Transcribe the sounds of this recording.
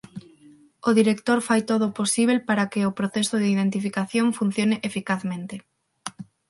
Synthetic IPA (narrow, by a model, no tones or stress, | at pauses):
oðiɾek̚t̪oɾfajt̪oð̞oposiβ̞elpaɾakeopɾoθesoðeiðent̪ifikaθjoɱfun̟θjoneʔefikaθmẽnt̪e